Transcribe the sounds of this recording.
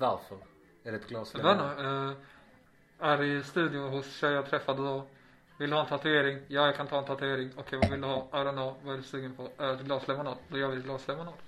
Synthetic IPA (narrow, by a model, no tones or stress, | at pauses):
valfɔɾ | æɾɛt̪ɡlɑːsɛan | æɾɪst̪ʉ̟ːd̪ɪʊɦʊsɕɛjjɑːt̪ʰɾɛfːad̪əd̪ɔ | vɪld̪əhɑːɛnt̪ʰat̪ʉeːɾɪŋjɑːjɑkʰant̪ʰɑːɛnt̪ʰat̪ʉeːɾɪŋɔkʰɛjvavɪld̪əhɑːæɾɛnɑvaæɖʉsʉːɡənpʰɔɛt̪ɡlɑːslɛmʊnɑːd̪d̪ɔjøːvɪdɛɡlɑːslɛmʊnɑːd̪